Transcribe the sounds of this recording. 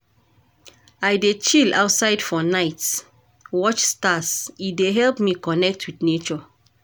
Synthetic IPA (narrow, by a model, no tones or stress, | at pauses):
ajdet͡ʃila̰wtsaɪdfɔnaɪts | wɔt͡ʃstasideɦɛlpmikɔnɛk̚tʰwidnet͡ʃɔ